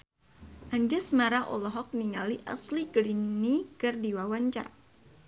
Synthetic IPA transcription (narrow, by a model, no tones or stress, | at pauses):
ʔaɲd͡ʒasmaɾaʔɔ̰lɔɦɔk̚niŋaliʔa̰sliɡɾinikɨrdiwawaɲt͡ʃa̰r